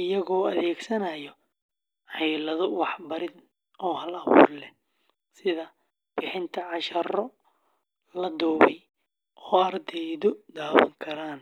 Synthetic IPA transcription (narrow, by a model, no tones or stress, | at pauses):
ɪjɐɣɔːɐðɛːɡsɐnɐjɔ | ʕɛjlɐðɔwɑħbɐɾɪd̪ | ɔːhɐlɐβṵːrlɛ | sɪðɐ | b̥ɪħɪnt̪ʰɐʕɑʃɐrɔ | lɐd̪ɔːβɛj | ʔɔːɐrd̪ɛjðɔd̪aːwɐ̰ŋkʰɐɾaːn